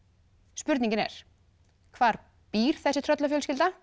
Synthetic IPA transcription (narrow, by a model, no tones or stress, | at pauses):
spʏɾt̪nĩɲcɪnɛ̰ɾ̥ | kʰvaːɾ | piːɾ̥θɛsːɪt̪ʰɾœt̪lafjœːlscɪlt̪a